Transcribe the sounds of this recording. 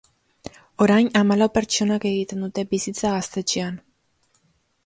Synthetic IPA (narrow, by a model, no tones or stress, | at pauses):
o̞ɾajnamalawpe̞ɾt͡ʃo̞nake̞ɣit̪e̞nd̪ut̪e̞bisit͡saɣast̪e̞t͡ʃean